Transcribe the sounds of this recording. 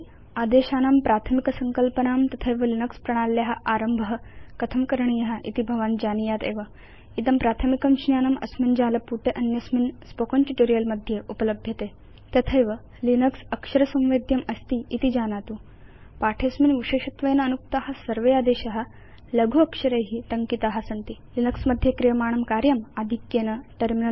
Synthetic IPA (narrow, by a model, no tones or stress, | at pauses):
ad̪eɕaːnampɾat̪ʰəmikɐsəŋkəlpənaːmt̪ɐt̪ʰəjʋəlinəkspɾɐɽ̃alːeɦaʔaɾəmbʱəɦkɐt̪ʰəmkəɾɳ̃ijɐɦaʔḭt̪ibʱɐʋaːnd͡ʑanijat̪ḛʋa | it̪ɐmpɾat̪ʰəmikɐmɕnjaːnɐmɐ̰smind͡ʑaːlɐpuʈʰeʔɐnjɐsminspokonʈiʈoɾijəlmɐd̪ʱjeʔupələbʱjɐt̪e | t̪ɐt̪ʰeʋə | linəksɐkʂɐɾɐsɐ̃w̃ʋed̪ʱjɐmɐst̪iit̪id͡ʑanat̪u | paʈʰesminʋiɕeɕɐt̪ʋɐjnənuk̚t̪aɦasɐɾʋeaːd̪eɕɐɦa | ləɡʱuɐkʂɐɾeɦit̪ɐŋkit̪aɦasɐnt̪ilinəksmɐd̪ʱjekɾijɐmaːɳ̃ɐmkaɾjɐmad̪ʱikjenɐʈəɾminə